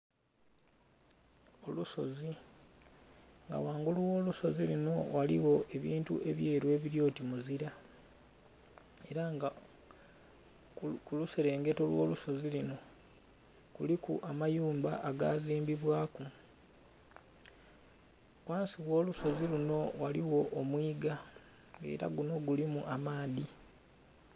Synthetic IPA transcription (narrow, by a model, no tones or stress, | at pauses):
oluso̞zi | ŋɡa̰waːŋɡuluwo̞ːluso̞zilino̞walḭwo̞ʔe̞βiːntṵʔe̞βje̞ːɾwe̞ːβiɾjo̞ːtimuziɾa | e̞ɾaŋɡa | kuluseɾe̞ːŋɡe̞to̞lwo̰ːluso̞zilino̞ | kulikṵʔamajuːmbaʔaɡaːziːmbiβwaːku | kwaːnsiwo̞ːluso̞ziluno̞waliwo̞ʔːmwiːɡa | e̞̰ːɾa̰ɡuno̞ɡulimuʔamaːði